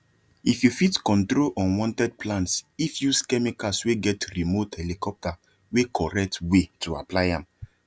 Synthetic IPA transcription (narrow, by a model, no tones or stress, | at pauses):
ifjufitkɔ̃ntɾolʔɔ̃nwɔ̃ntɛd̚plãntsifjuskɛmikasweɡɛtɹimothɛlikɔp̚ta | wekʰɔɾɛk̚twetʰua̰plaɪãm